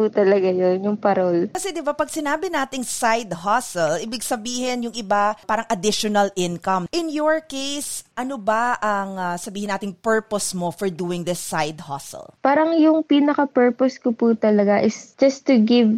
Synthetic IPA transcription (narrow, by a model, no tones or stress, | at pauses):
puːt̪ɐlɐɡajonjʊŋpɐɾolkɐsɛd̪ɪbapɐɡ̚sɪnaːbɪnaːt̪ɪŋsajd̪hasɛlɪbɪɡ̚sɐbiːhɪnjʊŋɪbapaːɾɐŋʔɐd̪ɪʃonɐlʔɪnkɐmʔɪnjoɹkejsʔɐnobaʔɐŋasɐbiːhɪnaːt̪ɪŋpɛɹposmofɔɹd̪uːɪŋd̪ɐsajd̪ha̰sɛ̰lpaːɾɐŋjʊŋpiːnɐkɐpɛɹposkopuːt̪ɐlɐɡaʔɪsd͡ʒɐst̪ʊɡɪv